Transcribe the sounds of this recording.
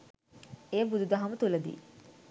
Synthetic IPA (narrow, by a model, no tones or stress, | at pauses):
ejəbud̪ud̪ɐɦɐmət̪uləd̪ḭː